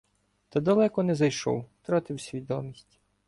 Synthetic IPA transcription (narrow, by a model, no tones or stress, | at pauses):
t̪ɐd̪ɐlˠɛkɔnɛzɐjʃɔ̰wt̪ɾɑt̪ɪwsʲʋʲid̪ɔmʲisʲtʲ